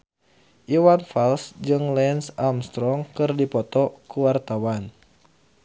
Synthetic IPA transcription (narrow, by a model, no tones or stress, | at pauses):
ʔiwanfalsd͡ʒɨŋlɛnsamst̪ɾɔŋkɨrdipɔt̪ɔkuwart̪awan